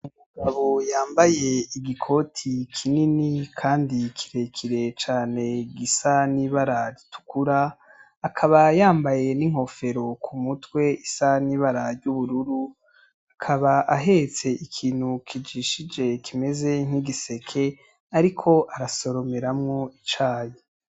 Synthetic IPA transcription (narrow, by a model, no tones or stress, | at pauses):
umuɡaβojaːmbaje̞iɡikʰo̞tʰikʰininikʰaːndikʰiɾe̞kʰiɾe̞t͡ʃaːne̞ɡisaniβaɾaɾitu̥kuɾaː | kʰaβajaːmbaje̞niŋ̥ho̞fe̞ɾo̞kʰumutwe̞isaniβaɾaɾɟuβuɾuɾu | akʰaβaʔaɦe̞t͡se̞ʔikʰiːn̥hukʰid͡ʒiʃid͡ʒe̞kʰime̞ze̞ŋ̥iɡise̞kʰe̞ | aɾikʰo̞ʔaɾaso̞ɾo̞me̞ɾamŋo̞it͡ʃaːje